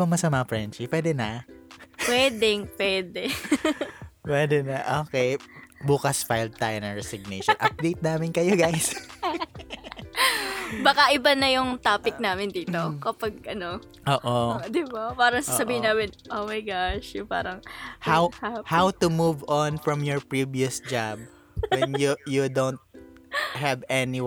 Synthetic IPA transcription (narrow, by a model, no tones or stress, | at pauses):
ɐmɐsɐmɐɐfɹɛnt͡ʃipwɛːd̪ɛnɐ | pwɛːd̪ɪŋpwɛːd̪ɛ | pwɛːd̪ɛnɐʔoːkɛjbuːkɐsfajld̪̚t̪aːjonɐŋɹɛsɪɡ̚nejʃɔnʔɐp̚d̪ejt̪̚naːmɪnkɐjoɡajs | bɐkaʔɪbɐnɐjʊŋt̪aːpɪk̚naːmɪnd̪iːt̪okɐpɐɡ̚ʔɐno | ʔoːʔod̪ɪbapaːɾɐŋssɐbiːhɪnːaːmɪnʔoːmɐjɡaʃjʊŋpa̰ːɾɐŋhawhawt̪ʊmuvɔnfɹɔmjɔɹpɹiviʊsd͡ʒab̚ | wɛnjujud̪ownt̪̚ | ɦɐvɛnɪ